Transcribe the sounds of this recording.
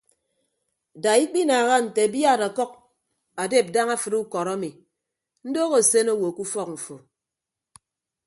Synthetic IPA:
da˨i˦k͡pi˦naː˨ɣa˦n̩˨te˨bi˦a˦˨ɾa˨kɔ˦k̚ | a˨de˦˨p̚da˦ŋa˦fɨ˨ɾu˦kɔ˨ɾa˦mi˨ | n̩˦do˦ɣo˨se˦no˦˨wo˨ku˦fɔ˦k̚ɱ̩˨fo˨

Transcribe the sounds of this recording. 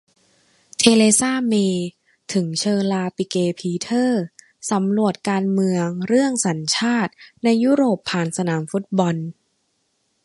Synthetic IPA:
t̪ʰeː˧leː˧saː˥˩meː˧ | t̪ʰɯ˩˦ŋt͡ɕʰɤː˧laː˧pi˧keː˧pʰiː˧t̪ʰɤː˥˩ | sa˩˦mɾu˨˩ət̪̚kaː˧nmɯ˧əŋɾɯ˥˩əŋsa˩˦nt͡ɕʰaː˥˩t̪̚na˧jːuː˦˥ɾoː˨˩pʰːaː˨˩nsa˧naː˩˦mfu˦˥t̪̚bɔ˧n

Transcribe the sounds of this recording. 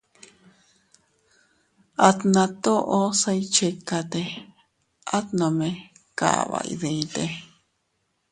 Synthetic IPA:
a˧t̪nã˧t̪o˦ʔo˦sa˧it͡ʃe˧ka˧t̪e˧ | ʔa˦t̪nõ˨mẽ˧ | ka̰˨βa̰˧ʔḭðe˧ĩt̪e˧

